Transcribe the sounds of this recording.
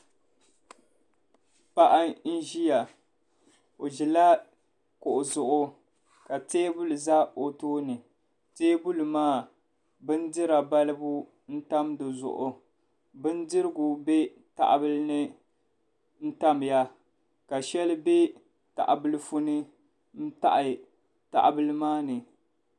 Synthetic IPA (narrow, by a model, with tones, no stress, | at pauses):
pa˦ʔa˦n̩˦ʒi˦ja˨ | o˨ʒɪ˨la˦ | kʊ˨ʔʊ˨zʊ˨ʔʊ˦ | ka˨teː˦bu˦lɨ˨za˦o˨toː˦nɨ˨ | teː˦bu˦lɨ˨maː˦˨ | bɨ˦n˦dɨ˦ɾa˨ba˦lɨ˦bu˦ | n̩˦ta˦mdɨ˨zʊ̰˨ʔʊ˨ | bɨ˦ndɨ˦ɾɨ˦ɡu˨be˦ | ta̰˨ʔbɨ˦lɨ˦nɨ˦ | n̩˦ta˦m˨ja˦ | ka˨ʃɛ˦lbe˦ | ta̰˨ʔa˨bɨ˦lɨ˦fu˦nɨ˦ | n̩˦ta̰˨ʔɪ˨ | ta̰˨ʔbɨ˦lɨ˦maː˦nɨ˨